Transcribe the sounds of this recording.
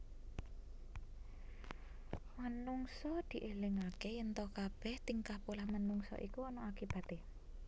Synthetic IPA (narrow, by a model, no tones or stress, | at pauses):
mənuŋsɔd̪̥i̤ʔelɪŋakejənt̪ɔkab̥ɛht̪iŋkahpolahmənuŋsɔ̰ʔikuɔnɔakib̥ä̤t̪e